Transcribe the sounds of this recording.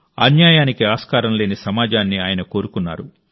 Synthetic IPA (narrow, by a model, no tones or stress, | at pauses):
ɐ̰njaːjaːnikiaːskaːɾɐmle̞ːnisɐmaːd͡ʒaːnːiaːjɐnɐko̞ːɾukunːa̰ːɾu